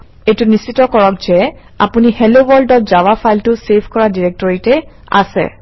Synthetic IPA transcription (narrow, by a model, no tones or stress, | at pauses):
ejtʊnisitɔkɔɹɔk̚zɛ | apunihelobɔɹldɔt̚zawapʰajltʊsepʰkɔɹadiɹɛk̚tɔɹitɛ | a̰sɛ̰